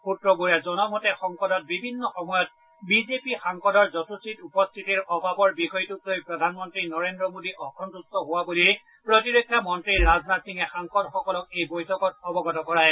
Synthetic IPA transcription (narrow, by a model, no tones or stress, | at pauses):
pʰutɹɔbuɹiazɔnɔmɔtɛxɔŋkɔdɔt̚bibʱinːɔxɔmɔjɔt̚ | bizepixaŋkɔdɔɹzɔsusitupɔst̪ʰitiɹɔbʱabɔɹbikɔjtutlojpɹɔdʱanmɔntɹinɔɹendɹɔmodiʔɔkʰɔntustɔɦʊwaboliɹ | pɹotiɹokʰːamɔntɹiɹaznatsiŋɛxaŋkɔdxɔkɔlɔk̚ejbojtʰɔkɔt̚ɔbɔɡɔtɔkɔɹaɛ